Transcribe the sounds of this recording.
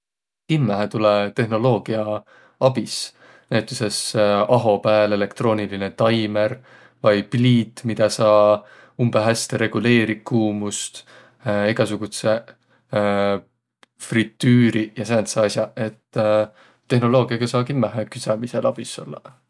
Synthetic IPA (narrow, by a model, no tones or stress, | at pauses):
kinːæɦæt̪ulet̪e̞ɦno̞lo̞ːɡ̥iɑ | ɑb̥is | næet̪ːˑuse̞sɑɦo̞pæːle̞le̞kt̪ro̞ːniline̞t̪ɑjme̞ɾ | vɑjpliːt̪ːˑmid̪̥ɑsɑː | umbeɦæst̪e̞ɾe̞ɡ̥ule̞ːɾikːuːmust̪ | eɡ̥ɑsuɡ̥ut̪se̞ | frit̪ːyːɾijɑsæːnt̪sɑɑsʲjɑe̞t̪ː | e̞hno̞lo̞ːɡ̥iɑɡ̥ɑsɑːkinːæɦekysɑmiselʔɑb̥iso̞̰lːɑ̰